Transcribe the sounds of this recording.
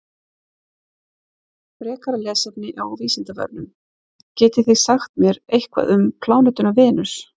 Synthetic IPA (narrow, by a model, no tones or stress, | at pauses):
pɾɛːkaɾalɛːsɛpnɪʔawviːsɪnt̪avœ̰pnʏm | cɛːt̪ɪθiɣsaxt̪mjɛɾejhkva̰ðʏmkʰlaːwnɛt̪ʏnavɪːnʏs